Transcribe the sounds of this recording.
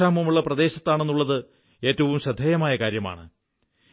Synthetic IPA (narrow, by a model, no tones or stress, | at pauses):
aːmɐmuɭːɐprɐd̪e̞ːɕɐt̪ːaːɳe̞nːuɭːɐðɨ | e̞ːtːɐʋumɕɐd̪ʱːeːjɐmaːjɐkaːɾjɐma̰ːɳɨ